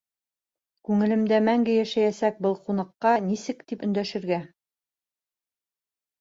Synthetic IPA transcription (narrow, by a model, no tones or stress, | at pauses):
kʉŋɘ̆lɘ̆md̪æmæŋɡɘjæʃæjæsæk̚bɤlˠqunɤ̆qːɑnisɘkt̪ipɵ̆nd̪æʃɘ̆ɾɡæ